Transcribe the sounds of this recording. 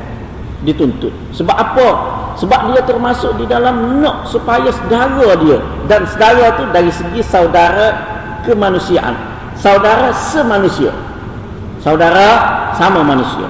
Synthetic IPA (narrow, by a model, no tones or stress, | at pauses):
dit̪unt̪ʊʔ | səbap̚ʔapəsəbap̚diət̪ərmasʊʔ̚didalamnɔʔsupajasədaɡadiə | dansədaɣat̪udaɾisəɡisaudaɾa | kəmanusiaʔa̰n | saudaɾasəmanusia̰ | saudaɾasamamanusia̰